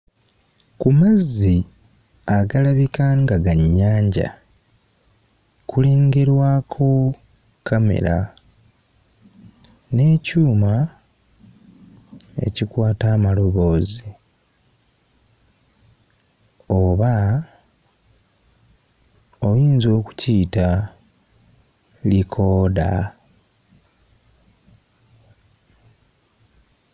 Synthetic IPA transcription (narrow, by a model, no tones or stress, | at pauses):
kumazːi | aɡalaβikaŋɡaɡaɲːaːɲɟa̰ | kule̞ːŋɡe̞ɾwaːkʰo̞ | kʰame̞̰ɾa | ne̞ːcuːma | e̞̰cikwaːtaːmalo̞βo̞ːzi | oβa | o̞βuiːnzo̞ːku̥ciːta | likʰo̞ːda̰